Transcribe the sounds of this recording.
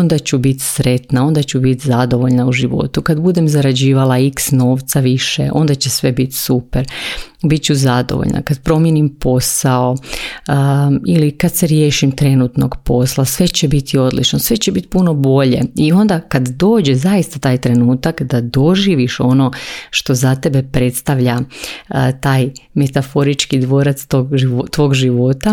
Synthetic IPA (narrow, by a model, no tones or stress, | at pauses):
ond̪at͡ɕubit̪sɾe̞t̪nao̞nd̪at͡ɕubit̪zad̪o̞ʋo̞ʎnauʒiʋo̞̰t̪ukad̪bud̪e̞mzaɾad͡ʑiːʋalaiksno̞ːʋt̪saʋiʃḛʔo̞̰nd̪at͡ɕe̞sʋe̞bit̪supeɾbit̪̚t͡ʃuzad̪o̰ʋo̰ʎnʔa̰kad̪pɾo̞mjenimpo̞sao | ilikad̪seɾjeːʃimt̪ɾe̞nut̪no̞ɡpo̞slasʋe̞t͡ɕebit̪ʰio̞d̪lḭt͡ʃnosʋe̞t͡ɕebit̪puno̞bo̞ʎe̞̰io̞nd̪akad̪d̪o̞ːd͡ʑezaist̪at̪aːjt̪ɾe̞nuːt̪akd̪ad̪o̞ʒiːʋiʃo̞no̞ʃt̪o̞zat̪e̞be̞pɾe̞t̪st̪aʋʎa | t̪aːjme̞t̪afo̞ɾit͡ʃkid̪ʋo̞ːɾat̪st̪oɡit̪ʋo̞ːɡʒiʋo̞t̪a